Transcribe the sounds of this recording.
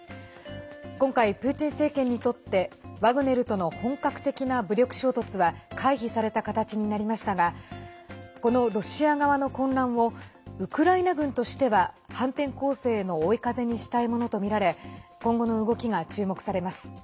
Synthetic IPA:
kõ̞ŋkaipɯ̟ːt͡ɕĩɰ̃se̞ːkẽ̞ɲ̟ːit̪o̞t̪ːe̞βaɡɯ̟ne̞ɾɯ̟t̪o̞no̞hõ̞ŋkakɯ̟̥t̪e̞kʲinabɯ̟ɾʲo̞kɯ̟̥ɕo̞ːt̪o̞t͡sɨβakʰaiçisaɾe̞t̪akat̪at͡ɕiɲ̟inaɾʲimaɕi̥t̪aɡa | ko̞no̞ɾo̞ɕiaɡaβano̞kõ̞nɾãɰ̃βo̞ɯ̟kɯ̟ɾainaɡɯ̟̃nt̪o̞ɕi̥t̪e̞βa | hãnt̪ẽ̞ŋko̞ːse̞ːno̞ːikaze̞ɲ̟iɕi̥t̪aimono̞t̪o̞mʲiɾaɾe̞kõ̞ŋɡo̞no̞ɯ̟ɡo̞kʲiɡat͡ɕɨːmo̞kɯ̥saɾe̞masɨ̥

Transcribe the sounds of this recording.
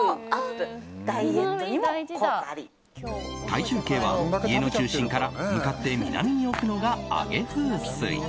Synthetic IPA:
t̪ait͡ɕɨːke̞ːβaie̞not͡ɕɨːɕĩŋkaɾamɯ̟kat̪ːe̞mʲḭna̰mʲiɲ̟io̞kɯ̟no̞ɡaa̰ɡe̞sɨːssɨ̰ḭ

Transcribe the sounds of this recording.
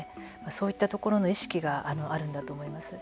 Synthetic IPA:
e | maso̞ːit̪ːat̪o̞ko̞ɾo̞no̞iɕi̥kʲiɡaʔano̞ʔaɾɯ̟̃nd̪at̪o̞ːmo̞imasɨ

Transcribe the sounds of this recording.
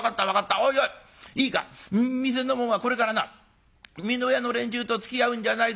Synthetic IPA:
kat̪ːaβakat̪ːaoioi | iːka̰mmʲis̬e̞no̞moɰ̃βako̞ɾe̞kaɾana̰ | mʲinojano̞ɾẽ̞ɲ̟t͡ɕɨːt̪o̞t͡sɨ̥kʲiaɯ̟̃ɲ̟d͡ʑanai

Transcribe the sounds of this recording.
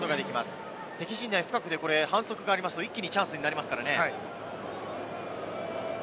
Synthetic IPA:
t̪o̞ɡad̪e̞kʲimasɨ̥ | t̪e̞kʲiɕĩnd̪aĩɸɯ̟kakɯ̟d̪e̞ko̞ɾe̞hãɰ̃so̞kɯ̟ɡaːɾʲimasɨ̥t̪oikʲːiɲ̟it͡ɕãɰ̃sɨɲinaɾimasɨ̥kaɾane̞

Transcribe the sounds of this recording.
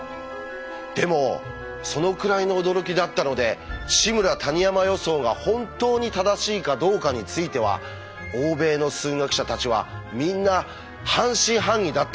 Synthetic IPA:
d̪̥e̞mo̞ | so̞no̞kɯ̟ɾaino̞ːd̪o̞ɾo̞kʲid̪at̪ːano̞d̪e̞ɕimɯ̟ɾat̪aɲ̟ijamajo̞so̞ːɡahõ̞nt̪o̞ːɲ̟it̪ad̪aɕiːkad̪o̞ːkaɲ̟it͡sɨit̪e̞β̞a̰ | oːbe̞ːno̞sɨːŋakɯ̟̥ɕat̪at͡ɕiβa̰mʲĩnːa | hãɰ̃ɕĩɦãɲ̟ːʲid̪at̪ːa

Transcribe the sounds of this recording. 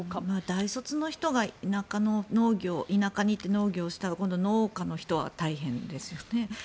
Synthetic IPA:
maːd̪aiso̞t͡sɨno̞çi̥t̪o̞ɡainakano̞no̞ːɡʲo̞ːʔinakaɲ̟it̪ːe̞no̞ːɡʲo̞ːɕi̥t̪aɡakõ̞nd̪o̞no̞ːkano̞çi̥t̪o̞βa̰t̪aiɦẽ̞nd̪e̞sɨjo̞ne̞

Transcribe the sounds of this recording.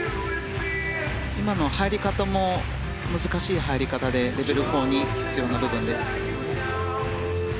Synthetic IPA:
imano̞haiɾʲikat̪amo̞ | mɯ̟zɨkaɕiːɦaiɾʲikat̪ad̪e̞ɾe̞be̞ɾɯ̟ho̞ːɲ̟içi̥t͡sɨjo̞ːnabɯ̟bɯ̟̃nd̪e̞sɨ̥

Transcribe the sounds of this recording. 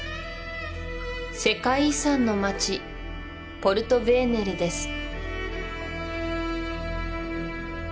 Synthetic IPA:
se̞kaisãnːo̞mat͡ɕi | po̞ɾɯ̟t̪o̞be̞ːne̞ɾɯ̟d̪e̞sɨ̥

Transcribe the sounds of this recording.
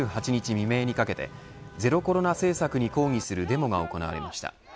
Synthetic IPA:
ɨːɦat͡ɕiɲ̟it͡ɕimʲime̞ːɲ̟ikake̞t̪e̞̰ | ze̞ɾo̞ko̞ɾo̞nase̞ːsakɯ̟ɲ̟iko̞ːŋʲisɨɾɯ̟d̪e̞mo̞ɡao̞ko̞na̰βa̰ɾemaɕi̥t̪a̰

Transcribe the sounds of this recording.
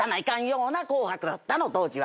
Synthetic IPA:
anaikãɲ̃jõŋonakoːhakɯɾot̪ːanot̪oːd͡ʑiβa

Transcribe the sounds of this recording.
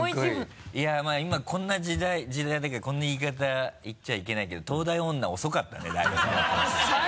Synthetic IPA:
amaːimakʰõ̞nːad͡ʑid̪aid͡ʑid̪ad̪akakõ̞nːaiːkat̪̬aitːaike̞naike̞d̪o̞t̪o̞ːd̪aiõ̞nːao̞so̞kat̪ːa̰ned̪aibɯsaat̪ːo

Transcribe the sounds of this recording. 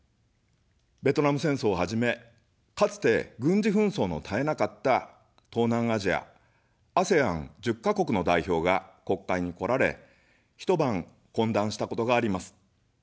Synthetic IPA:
be̞t̪o̞namɯ̟sẽ̞ɰ̃so̞ːhaʑime̞ | kat͡sɨ̥t̪e̞ɡɯ̟̃ɲ̟d͡ʑiɸɯ̟̃ɰ̃so̞ːno̞̰t̪ʰae̞nakat̪ːa | t̪o̞ːnãɰ̃aʑia̰ | ase̞ã̰ŋd͡ʑɨkːako̞kɯ̟no̞d̪aiço̞ːɡako̞kːaiɲ̟iko̞ɾaɾe̞̰ | çi̥t̪o̞bãŋ | kõ̞nd̪ãɰ̃ɕi̥t̪ako̞t̪o̞ɡaːɾʲimasɨ̥

